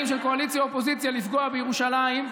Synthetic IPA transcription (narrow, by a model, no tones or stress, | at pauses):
imʃelko̞alit͡ssjaopo̞zit͡sjalifɡo̞abejeʁuʃalaim